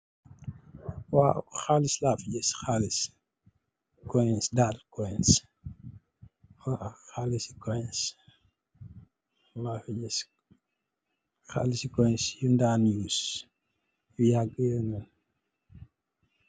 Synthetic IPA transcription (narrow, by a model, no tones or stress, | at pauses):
waxalislafiɟɛsxalis | kɔjnsdalkɔjns | waxalisi̥kɔjns | lafiɟɛs | xa̰lisikɔjnsjundanjus | jujaɡəjɛnɔn